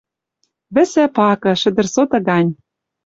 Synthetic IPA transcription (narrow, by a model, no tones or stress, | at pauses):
βɘ̆sæpɑkɤ̆ʃɘ̆d̪ɘ̆rsot̪ɤ̆ɡɑnʲ